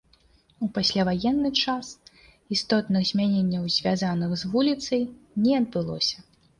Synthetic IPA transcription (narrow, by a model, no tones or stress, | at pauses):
upasʲlʲavajɛnːɨt͡ʂas | ist̪ɔt̪nɨɣzʲmʲanʲenʲːɐwzʲvʲazanɨxzvulʲit̪sɐjnʲɛɐd̪̚bɨlˠɔ̰sʲɐ